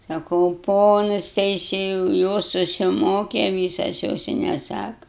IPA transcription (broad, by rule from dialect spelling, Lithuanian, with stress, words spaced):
sɐˈkɐʊ ˈpoːnɐs tʲɛɪˈsʲeːjɛʊ ˈjoːs sʊsʲɪˈmoːkʲɛ ˈʋʲiːsɐs ˈjoːs ɪ nʲɛˈsɑːkɐ